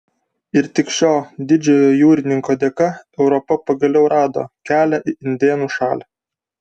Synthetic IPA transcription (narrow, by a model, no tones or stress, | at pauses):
ɪɾt̪ʲɪkʃʲoːd̪ʲɪd͡ʒʲɛjoːjuːɾʲɪnʲɪŋkoːd̪ʲeːkɐɛʊɾɔpɐpɐɡɐlʲɛʊɾʔɑːd̪o̰ːkʲæːlʲæʔɪʔɪnʲd̪ʲeːnuːʃɑːlʲɛ